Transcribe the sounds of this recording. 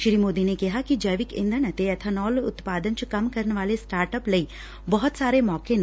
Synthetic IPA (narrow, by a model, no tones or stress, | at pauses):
ʃɾimoːd̪inekiɦakid͡ʒɐjʋɪkɪ̰̃nd̪ʱənɐt̪eɐt̪ʰɐnɔːlʊ̰t̪paːd̪ənt͡ʃukɐmkɐɾnʋaːlesʈaːɾʈəplɐi | bɐɦʊt̪saːɾemɔːken